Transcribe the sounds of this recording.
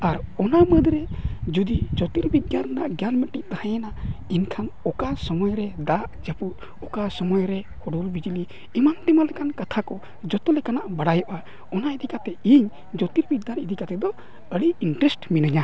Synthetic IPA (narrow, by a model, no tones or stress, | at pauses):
aɾɔnaməd̪ɾɛd͡ʒud̪id͡ʒɔt̪iɾbit̪̚ɡannaʔɡjanməʈiʔt̪ahajɛnainkʰanɔkasɔmɔjɾɛd̪aʔd͡ʒaput̪̚ | ɔkasɔmɔjɾɛ | hɔɖɔlbid͡ʒiliː | manʈɛmalɛkankat̪ʰakɔ | d͡ʒɔt̪ɔlɛkanaʔbaɽajɔʔa | ɔnaid̪ikat̪ɛiɲ | d͡ʒɔt̪iɾbit̪̚ɡanid̪ikat̪ɛd̪ɔ | əɽiiɳʈɾɛsʈminaɲa